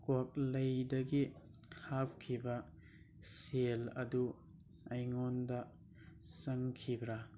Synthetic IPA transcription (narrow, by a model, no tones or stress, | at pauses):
kok̚lɐjdɐɡi | hap̚kʰibɐ | selɐ̰du | ɐjŋondɐ | sɐŋkʰibɾa